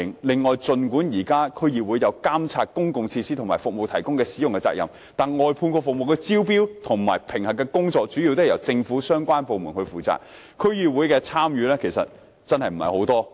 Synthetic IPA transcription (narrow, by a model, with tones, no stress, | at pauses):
ŋlɪ˨ŋːɔː˨jt͡sɵ˧nkuː˨˥njiː˨˩kaː˥kʰɵ˥ɥjiː˧wuː˨˥jɐ˨˧wkaː˥mt͡sʰaː˧t̚kʊ˥ŋkʊ˨ŋt͡sʰiː˧siː˥t̪ʊ˨ŋmaː˨˩jfʊ˨k̚mo˨wt̪ʰɐ˨˩jkʊ˥ŋkɛː˧siː˨˥ʊ˨˩ŋkɛ˧t͡sa̰ː˧k̚jɐ̰˨˩m | t̪aː˨nŋɔː˨jpʰuː˧nkɔː˧fʊ˨k̚mo˨wkɛː˧t͡siː˥wp̬iː˥wt̪ʰʊ˨˩ŋmaː˨˩jpʰɪ˨˩ŋhɐ˨kːɛː˧kʊ˥ŋt͡sɔː˧k̚t͡ʃy˨˥ji˧wt̪ʊ˥˨jɐ˨˩wt͡sɪ˧ŋfuː˨˥sœː˥ŋkʷaː˥npo˨wmu˨˩nhɵ˧ɥfuː˨t͡sa̰ː˨k̚ | kʰɵ˥ɥjiː˧wuː˨˥jkɛː˧t͡sʰaː˥mjyː˨˧lɛː˥kʰe˨˩sɐ̰˨t̚ | t͡sɐ˥nhɐ˨jm̩˨˩hɐ̰˨jho˨˥wt̪ɔː˥